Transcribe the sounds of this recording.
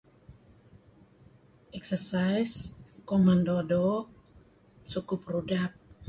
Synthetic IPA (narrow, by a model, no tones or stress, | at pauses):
ʔɛksərsajskɔmandodo | sukuprudap̚